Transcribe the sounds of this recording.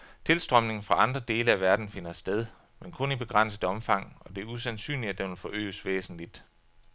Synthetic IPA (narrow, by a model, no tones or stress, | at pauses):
t͡sʰe̝lsd̥ʁœmne̝ŋfʁɑ̈ɑ̈nd̥ʁɐd̥e̝ːləæʋæɐd̥n̩fe̝n̰ɐsd̥eð̞ˠ | menkʰɔ̽nib̥e̝ɡ̥ʁan̰səð̩ˠɒ̽mfɑ̈ŋ̰ɒ̽d̥e̝æɐusænsy̰ːnliæd̥enʋelfɒ̽ʔø̰ːsʋḛːsn̩lid̥